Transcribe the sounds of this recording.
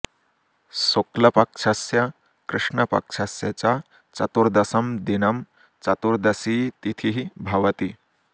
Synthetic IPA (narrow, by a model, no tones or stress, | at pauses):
soklɐpɐkʃʰɐsjɐ | kɾɨʂɳɐpɐ̰kʂʰɐsjɐt͡ɕa | t͡ʃɐt̪uɾd̪ɐsɐmd̪inɐm | t͡ʃɐt̪uɾd̪ɐsiːt̪it̪ʰiɦibʱɐʋɐt̪i